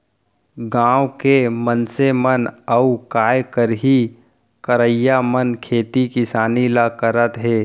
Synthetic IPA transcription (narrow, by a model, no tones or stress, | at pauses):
ɡãːwkemənsemənəukaːjkəɾɦi | kəɾəjːamənkʰeːt̪ikɪsaːnilakəɾət̪ɦeː